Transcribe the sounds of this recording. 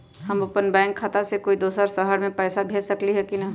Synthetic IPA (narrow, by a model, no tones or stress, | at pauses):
ɦəmopənbɛ̃ːŋkʰːaːt̪asekoːid̪oːsəɾsəɦəɾmẽpɛːsabʱeːlsəkliɦɛkina